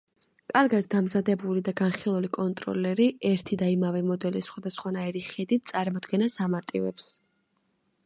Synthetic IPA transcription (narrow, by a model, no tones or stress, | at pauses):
kʼaɾɡat̪d̪amzad̪ɛbulid̪aɡanχilˠulikʼɔnt̪ʼɾɔ̰lɛɾiɛɾt̪ʰid̪aimavɛmɔd̪ɛlisχwad̪asχwanaiɾiχɛd̪it̪̚ʰsʼaɾmɔd̪ɡɛnasamaɾt̪ʼḭvɛps